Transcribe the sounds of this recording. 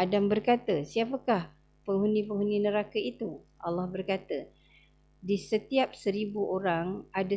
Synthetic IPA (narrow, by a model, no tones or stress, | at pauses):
adambərkat̪əsiapəkah | pəŋɦunĩpəŋɦunĩnəɾakait̪uʔalːɑhbərkat̪ə | disət̪iap̚səɾibuoɾaŋada